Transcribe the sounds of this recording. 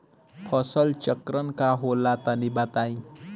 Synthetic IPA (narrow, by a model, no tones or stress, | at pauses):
pʰʌsəlt͡ʃəkɾənkaɦolːat̪anibat̪aj̃